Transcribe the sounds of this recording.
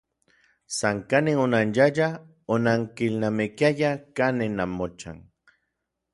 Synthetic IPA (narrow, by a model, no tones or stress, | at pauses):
saŋkaneŋonanjaʎa | onaŋkilnamekjajakanenamot͡ʃa̰ŋ